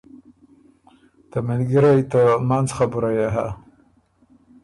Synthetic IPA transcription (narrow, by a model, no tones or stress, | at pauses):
t̪amɪlɡəɾajt̪amanzxabuɾajaɦa